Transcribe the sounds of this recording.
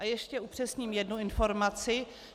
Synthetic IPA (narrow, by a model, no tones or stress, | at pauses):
ʔajɛʃcɛupr̥ɛsɲiːmjɛdnuɪnfo̞ɾmat͡sɪ